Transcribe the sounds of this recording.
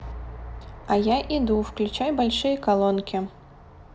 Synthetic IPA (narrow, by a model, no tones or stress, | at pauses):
ajaʔid̪uwklʲut͡ʃajbalʲʂɨjɐkalˠɔnkʲi